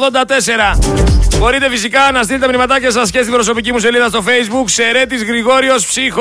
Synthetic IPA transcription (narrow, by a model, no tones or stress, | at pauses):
ðo̞nd̪ɐt̪e̞se̞ɾɐxo̞ɾit̪e̞fisikɐnɐs̬t̪ilet̪emnimɐt̪ɐce̞sɐs̬cest̪ibɾo̞so̞picimuse̞liðɐst̪o̞fe̞izbukse̞ɾe̞t̪izɣɾiɣo̞ɾio̞spsix